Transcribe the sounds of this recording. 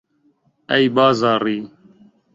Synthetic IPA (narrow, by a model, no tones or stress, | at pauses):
ɐibaːzaːɾiː